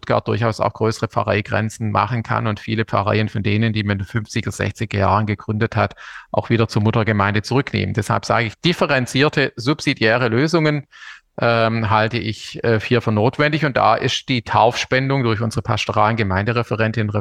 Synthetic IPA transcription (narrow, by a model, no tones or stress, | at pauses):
ʊ̥tɡ̥a̰ɐt̚d̥ʊɐçaʊsa̰ʊxɡ̥ʁøːsəʁəp͡fa̰ʁa̰ɪɡ̥ʁɛ̰nt͡sn̩ma̰χən̩kʰa̰nʊntfiːləp͡fa̰ʁa̰ɪənfɔndeːnəndiːmaɪndnfʏnft͡sɪɡz̥ɛ̰çt͡sɪɡɐjaːʁənɡəɡ̥ʁʏndəthatʔaʊxv̥iːdɐt͡suːɐmʊtɐɡəmaɪndət͡suʁʏknḛːməndɛsha̰lpz̥a̰ːɡəɪçd̥ɪfəʁɛnt͡siːɐtʰəzupz̥idjɛːʁ̞əløːzʊŋən | ʔɛmɦaltəʔɪçɛːhiːɐfyːɐnoːtv̥ɛndɪçʊnt̚d̥a̰ːʔɪstd̥iːtʰaʊfʃpɛndʊŋdʊɐçʔʊnzəʁəpʰastoʁaːlənɡəmaɪ̃ndəʁɛfəʁɛntɪnnʁɛ